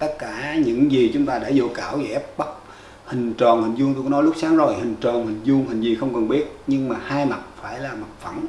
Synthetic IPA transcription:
t̪ə˦˥t̚kaː˧˩ɲɨ̰˧˥ŋzi˨˩t͡ɕʊ˨˦ŋ͡mt̪aː˧ɗe˧˩zo̰˧˨˦kaː˧˩wzɛ̰˧˨ɛ˦˥p̚ɓə˦˥t̚ | hï˨˩ŋ̟t͡ɕɔː˨˩nhï˨˩ŋ̟zu˧ŋt̪u˧kɔ˧˦nɔ˨˦lʊ˦˥k͡p̚saː˨˦ŋzo˨˩jhï˨˩ŋ̟t͡ɕɔ˨˩nhï˨˩ŋ̟zu˧əŋhï˨˩ŋ̟zi˨˩xə˧wŋ͡mkə˨˩nɓi˦˥ət̚ɲɨ˧ŋmaː˨˩haː˧jma˨˩t̚faː˧˩jlaː˨˩ma˨˩t̚fə̰˧˩n

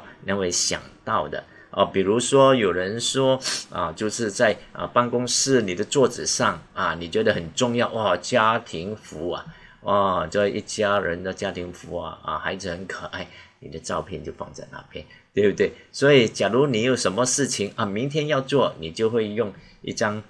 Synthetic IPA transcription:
nja˥˧we˥˩ɕjɑ̰˨˩ŋt̪ɑ˥˩ʊd̪ə̰˩ | ʔə̰˧˩pi˨˩ɻu˧˥ʂwɔ˥jo˨˩ʊɻə˧˦˥nʂwɔ˥ə̰˧t͡ɕjo˥˧ʊʂɻ̩˥˧t͡sa˥˧ɪʔə̰˧pa˥ŋkʊ˥ŋʂɻ̩˥˧ni˨˩d̪ə˦t͡swɔ˥˩ʈ͡ʂ̩˨˩ʂɑ˥˩ŋɐ˨ni˨˩t͡ɕɥɛ˧˥d̪ə˧hə˨˩nʈ͡ʂʊ˥˧ŋjɑ˥˩ʊʔwa˥˩t͡ɕja˥t̪ʰi˧˥ŋfu˧˥ɐ̰˨ | wʔa˥˩ʈ͡ʂə˥˧ḭ˥˩t͡ɕja˥ɻə˧˥nd̪ə˧t͡ɕja˥t̪ʰi˧˥ŋfu˧˥ɐ̰˨˩ə̰˨xa˧˥ɪd͡z̩˨˩hə˧˥nkʰə˨˩ʔa˥˩ɪni˨˩d̪ə˦ʈ͡ʂɑ˥˧ʊpʰjɛ˥˧nt͡ɕjo˥˧ʊfɑ̰˥˧ŋt͡sa˥˧ɪna̰˥˩pʰjɛ˥˦n | t̪we˥˧˥t̪we˥˩ɪswɔ˧˥i˨˩t͡ɕja˨˩lu˧˥ni˨˩jo˨˩ʊʂə˧˥nmə˧ʂɻ̩˥˩t͡ɕʰi˧˥ŋɐ˨˩mi˧˥ŋt̪ʰjɛ˥njɑ˥˧ʊt͡swɔ˥˩ni˨˩t͡ɕjo˥˧ʊxwe˥˧ɪjʊ˥˧ŋ | ḭ˥˩ʈ͡ʂɑ˥ŋ

